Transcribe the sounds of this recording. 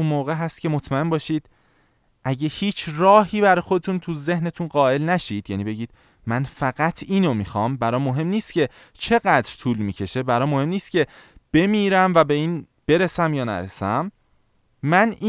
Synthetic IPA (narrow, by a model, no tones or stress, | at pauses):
unmoːɣeɦæst̪cʰe̞mot̪ʰmæe̞nbɒːʃiːd̪̥ | ʔæɟe̞hiːt͡ʃʰrɒːhiːbæɾɒːjxo̞d̪et̪ʰuːnt̪ʰuze̞hne̞t̪ʰunɢɒːe̞lnæʃiːd̪̥jæniːbe̞ɟiːd̪̚ | mænfæɣæt̪ʰiːnomixɒːmbæɾɒːmo̞ɦe̞mniːst̪cʰe̞ | t͡ʃʰe̞ɣæd̪ɾt̪ʰuːlmiːcʰe̞ʃe̞bæɾɒːmohe̞mniːst̪̚cʰe̞b̥e̞miːɾæmvæbe̞iːn | b̥e̞ɾe̞sæmjɒːnæ̰ɾesæmː | æniː